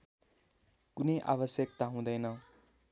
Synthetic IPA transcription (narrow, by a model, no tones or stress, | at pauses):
kunʌjʔa̰βʌsjʌk̚t̪aɦũd̪ʌjnʌ